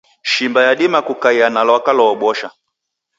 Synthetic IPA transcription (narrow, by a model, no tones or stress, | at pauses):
ʃimbajaɗimakukaianalwakalɔːɓɔʃa